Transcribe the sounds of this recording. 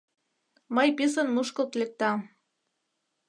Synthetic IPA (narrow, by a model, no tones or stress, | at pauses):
mɤjpis̬ə̆nmuʃkə̆lt̪lek̚t̪ɑ